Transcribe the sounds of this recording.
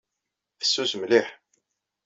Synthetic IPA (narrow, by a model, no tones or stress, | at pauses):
θə̥sːuzmliħ